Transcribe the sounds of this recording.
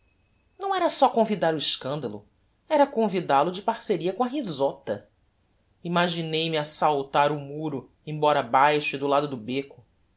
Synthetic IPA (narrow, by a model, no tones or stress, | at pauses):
nɐ̃w̃ɛɾɐsɔkõvid̪aɾʊɪʃkɐ̃nd̪ɐlʊ̰ | ɛɾɐkõvid̪alʊd͡ʒɪpaɾseɾiɐkõɐɦizɔt̪ɐ̰ | imaʒinejmɪasawt̪aɾʊmuɾʊ | ẽbɔɾɐaːbajʃʊɪd̪ʊlad̪ʊd̪ʊbekʊ̥